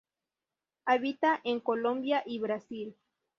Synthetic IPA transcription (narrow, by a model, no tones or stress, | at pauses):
aβit̪aʔeŋkolõmbjaʔiβɾasil